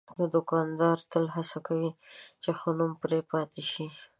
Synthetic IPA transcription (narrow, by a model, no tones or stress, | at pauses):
d̪əd̪ʊkɑnd̪ɑɾt̪əlɦasakawit͡ʃexonumpɾepɑt̪eʃi